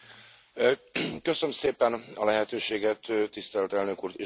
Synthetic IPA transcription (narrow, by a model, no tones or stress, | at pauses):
kø̞sømseːpɛnɒlɛɦɛt̪øːʃeːɡɛt̪ːist̪ɛlt̪ɛlnø̞kuːrt̪eː